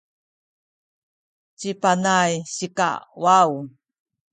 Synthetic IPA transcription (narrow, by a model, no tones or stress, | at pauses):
t͡ɕipanajɕika̰waw